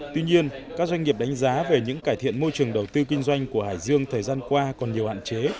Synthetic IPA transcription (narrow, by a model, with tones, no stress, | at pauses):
t̪wi˧ɲi˧ənkaː˦˥k̚za˧jŋ̟ŋi˨˩əp̚ɗa˨˦ŋ̟zaː˨˦ve˨˩ɲɨ̰˧˥ŋkaː˧˩jt̪ʰḭ˧˨ənmo˧jt͡ɕɨ˨˩əŋɗə˨˩wt̪ɨ˧kï˧ŋ̟zwa˧jŋ̟ku˧˩əɦaː˧˩jzɨ˧əŋt̪ʰəː˨˩jzaː˧nkwaː˧kɔ˨˩nɲi˨˩əwha̰ː˧˨nt͡ɕe˨˦